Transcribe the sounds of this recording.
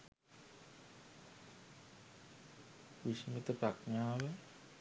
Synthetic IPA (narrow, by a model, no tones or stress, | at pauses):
ʋiʂimit̪əpɾakɲaːʋə